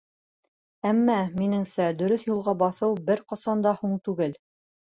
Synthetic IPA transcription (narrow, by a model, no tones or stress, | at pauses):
æmːæminɘ̆ŋsæd̪ɵ̆ɾɵθjulˠʁɑbɑθɤwbɘɾqɑsɑnd̪ɑhuɴt̪ʉɡɘl